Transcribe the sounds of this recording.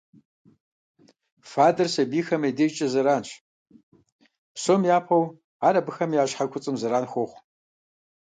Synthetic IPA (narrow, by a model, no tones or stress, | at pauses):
faːdɐrsɐbiːxɐmɐjdet͡ʃʼɐzɐɾaːnɕ | psomjaːpʰɐw | aːɾɐbɨxɐmjaːɕħakʷʰʊt͡sʼɨmzɐɾaːnxʷoχʷ